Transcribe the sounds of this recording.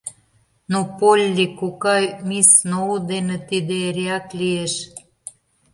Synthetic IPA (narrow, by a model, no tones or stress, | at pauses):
nopolʲːikokɑjmisnoud̪enĕt̪id̪eeɾʲeɑklieʃ